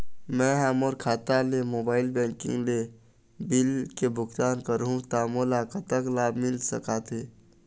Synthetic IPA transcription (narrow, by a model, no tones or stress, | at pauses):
mɛ̃ɦɐmoɾkʰaːt̪alemoːbaːɪlbɛ̃ːŋkɪ̰̃ŋɡle | bɪlkebʱʊkt̪aːnkəɾɦũt̪aːmolakat̪əklaːbmɪlsəkat̪ʰe